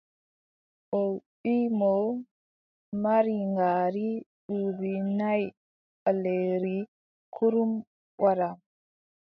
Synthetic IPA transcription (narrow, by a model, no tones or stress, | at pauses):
ʔɔwɓimɔ | maɾiŋɡaːɾiɗuːbinaj | ɓaleɾi | kʰuɾum | waɾa